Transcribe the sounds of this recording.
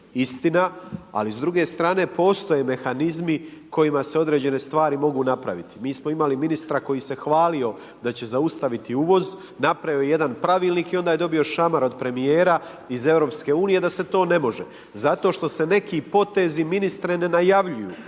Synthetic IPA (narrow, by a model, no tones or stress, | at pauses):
ist̪inaa̰lizd̪ɾuɡe̞st̪ɾaːne̞po̞ːst̪o̞je̞me̞xanizmiko̞jimase̞o̞d̪ɾe̞ːd͡ʑe̞ne̞st̪ʋaːɾimo̞ɡuːnapɾa̰ʋit̪i̥miːsmo̞imaliminist̪ɾako̞jise̞xʋaːlio̞ | d̪at͡ɕe̞zaust̪aʋit̪iuʋo̞z | napɾaʋiojejed̪anpɾaʋiːlˠniːkio̞nd̪aje̞d̪o̞bio̞ʃamaɾo̞d̪̚pɾe̞mije̞ːɾa | ize̞vɾo̞pske̞uːnije̞d̪ase̞t̪o̞ːne̞mo̞ʒe | zat̪o̞ʃt̪o̞se̞ne̞kipo̞t̪e̞ziminist̪ɾene̞najaʋʎujṵː